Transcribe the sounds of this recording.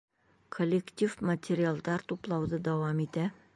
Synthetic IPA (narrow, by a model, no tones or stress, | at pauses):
kʰolʲːɪkt̪ʲifmətʲʰeɾʲɪalˠd̪ɑɾt̪uplˠɑwðɤd̪ɒwɑmit̪æ